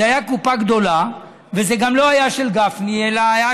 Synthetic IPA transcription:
eajakupaɡd̪o̞la | vezeɡamlo̞hajaʃelɡafnielaːja

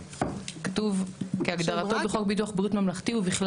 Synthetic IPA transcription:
katuvkeaɡd̪aʁat̪obeχo̞k̚bituaχbʁitmamlaχt̪iubiχl

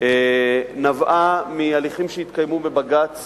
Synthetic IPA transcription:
enavʔamialiχimʃeit̪kajmumebaɡat͡s

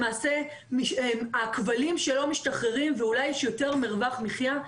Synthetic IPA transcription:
maːse̞ | miʃakvalimʃe̞lo̞miʃtaχeʁimveulajɛʃjo̞te̞ʁmiʁvaχmiχja

